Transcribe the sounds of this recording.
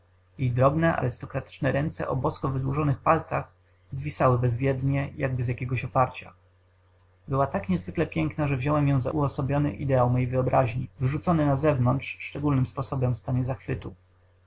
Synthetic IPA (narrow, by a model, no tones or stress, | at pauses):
jejd̪ɾɔbnɛʔa̰ɾɘst̪ɔkɾat̪ɘ̥t͡ʂnɛɾɛnt̪sɛ̰ʔɔbɔskɔvɘd̪wuʐɔnɘxpalt̪sax | zvʲisawɘbɛzvʲjɛd̪ɲɛjaɡ̚bɘzjakʲɛɡɔɕɔpaɾt͡ɕa̰ | bɘwat̪akɲɛzvɘklɛpʲjɛŋknaʐɛvʑɔwɛmjɛ̃w̃za̰ʔuɔsɔbʲjɔnɘ̰ʔḭd̪ɛawmɔjejvɘɔbɾʔaʑɲḭvɘʐut̪sɔnɘnazɛvnɔnt̪ʂʂt͡ʂɛɡulnɘmspɔsɔbɛmfst̪aɲɛzaxfɘt̪u